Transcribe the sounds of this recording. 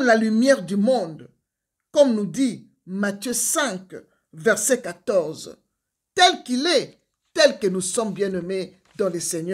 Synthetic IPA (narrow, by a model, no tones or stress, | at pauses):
lalymjɛʁd̪ymɔ̃d̪ | kɔmnud̪i | mat̪jøsɛ̃ŋk | vɛʁsɛkat̪ɔʁz | t̪ɛlkilɛ | t̪ɛlkənusɔmbjɛ̃nɔme | d̪ɑ̃lesɛɲ